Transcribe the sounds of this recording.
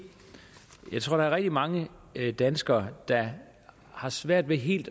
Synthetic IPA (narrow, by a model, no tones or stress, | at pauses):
jɑ̈ɪt͡sʰʁo̝ɐ̰d̥ɑ̈æɐʁɛɡ̥̚d̥imɑ̈ŋəd̥ænsɡ̥ɐːd̥ɑ̈ | hɑ̈sʋæɐ̰d̥ʋeɦe̝̰ːld̥